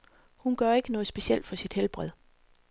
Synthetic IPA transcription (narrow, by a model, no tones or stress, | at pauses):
hunɡ̥ɶɐe̝ɡ̥ənɔ̽ːðˠsb̥e̝ɕiel̰d̥fɒ̽sid̥helb̥ʁɛð̞̰ˠ